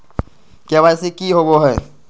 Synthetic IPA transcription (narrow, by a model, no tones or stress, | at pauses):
keːβaːsekiɦoɡoɦɛː